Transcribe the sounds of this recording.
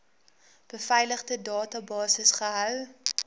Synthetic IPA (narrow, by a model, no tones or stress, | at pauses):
b̥əfɛjləχdədɑːtɐbɑːsəsχəɦœw